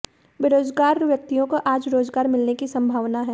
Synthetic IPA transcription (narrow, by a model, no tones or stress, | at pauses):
beːɾoːzɡaːɾʋjɐk̚t̪ijõkoʔaːd͡ʒɾoːzɡaːɾmɪlnekisɐ̃mbʱaːʋnaɦɛː